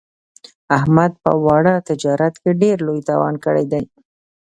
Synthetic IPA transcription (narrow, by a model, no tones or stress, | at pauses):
ahmad̪̚pə̰wɑɽət̪ɪd͡ʒɑɾat̪keɖeɾlojt̪ɑwɑ̰nkəɽḛjd̪aj